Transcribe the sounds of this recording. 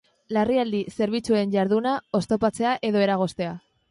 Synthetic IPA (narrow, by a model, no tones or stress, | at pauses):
lariald̪ise̞ɾβ̞it͡sue̞nɟaɾðunao̞st̪o̞pat͡se̞aʔe̞ðo̞e̞ɾaɣ̞o̞st̪e̞a